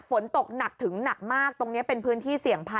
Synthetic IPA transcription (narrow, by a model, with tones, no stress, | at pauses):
fo˩˦nt̪o˨˩k̚na˨˩k̚t̪ʰɯ˩˦ŋna˨˩k̚maː˥˩k̚t̪o˧ŋni˦˥ɐpe˧npʰɯː˦˥nt̪ʰiː˥˩si˨˩əŋpʰa˧